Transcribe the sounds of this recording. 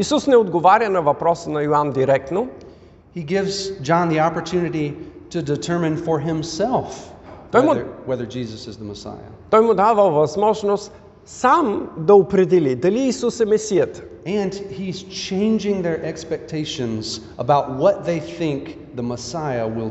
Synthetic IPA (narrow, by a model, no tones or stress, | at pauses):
isusnɛod̪ɡovaɾjənɐvɐpɾɔsənɐjoand̪iɾɛk̚t̪no | hiɡɪvz̥d͡ʒɑ̃nðiɑpə˞tʰʉnɨɾiɾɨdɨtʰɜ˞mɨ̃nfə˞ɦɪ̃msɛlˠft̪ɔjmʊwɛðə˞d͡ʒizəsɨzðəməsa̰ɪə̰t̪ɔjmʊd̪avəlˠvɐzmɔʒnost̪ | samd̪ɐopɾɛd̪ɛlid̪ɐliːsusɛmɛsijət̪ə̥ | ɨ̃niz̥t͡ʃʰẽɪ̃nd͡ʒɪ̃ŋðə˞ʔɛkspɛk̚tʰeɪʃɨ̃nzʔəbaʊt̚wʌt̪̚ðeɪθɪ̃ŋk | ðəməsaɪəwɪlˠ